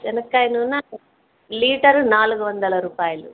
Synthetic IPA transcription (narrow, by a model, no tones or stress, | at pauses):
d͡ʒɛnɐkːajnɐunːɐ | liːʈɐɾnaːluɡuʋɐnd̪ɐlɐɾuːpaːjɐlu